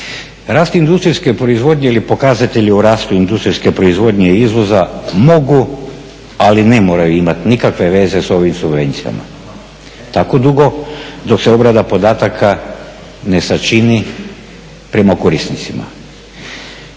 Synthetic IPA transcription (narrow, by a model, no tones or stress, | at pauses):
ɾaːst̪ind̪ust̪ɾiske̞pɾo̞izʋo̞d̪ʲɲe̞ilipo̞kazat̪eʎiuɾaːst̪uind̪ust̪ɾiske̞pɾo̞izʋo̞d̪ɲeiizʋo̞zamo̞ɡu | aline̞mo̞ːɾajuimat̪nikakʋe̞ʋe̞ze̞so̞ʋimsubʋe̞nt̪sija̰ma̰ | t̪ako̞d̪uɡo̞d̪o̞kse̞o̞bɾad̪apo̞d̪aːt̪akʰa | ne̞sat͡ʃini | pɾe̞makoɾisnit̪sima̰